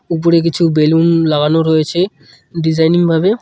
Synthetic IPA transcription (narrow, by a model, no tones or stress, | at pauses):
up̬oɾek̬it͡ɕʰubelunlaɡʱanoɾojet͡ɕʰe | ɖid͡ʑajniŋbʱabe